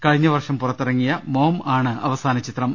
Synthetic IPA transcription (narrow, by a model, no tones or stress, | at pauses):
kɐɻiɲːɐʋɐrʂɐmpurɐt̪ːirɐŋːijɐmoːmaːɳɨɐ̰ʋɐsaːnɐt͡ɕit̪rɐm